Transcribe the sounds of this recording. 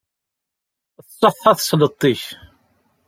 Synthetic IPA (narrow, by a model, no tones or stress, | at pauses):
θsˤːoθːɑθslət̪ˤːiç